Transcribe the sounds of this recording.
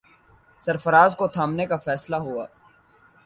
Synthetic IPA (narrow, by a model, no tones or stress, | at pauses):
sɐɾfəɾaːzkot̪ʰaːmnekafɛːslaɦua̰ː